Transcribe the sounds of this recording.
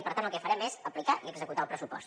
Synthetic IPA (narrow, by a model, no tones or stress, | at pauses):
pəɾt̪anəlˠkɛfəɾɛmesəplikaʔiəɡzəkut̪aəlˠpɾəsupɔ̰st̪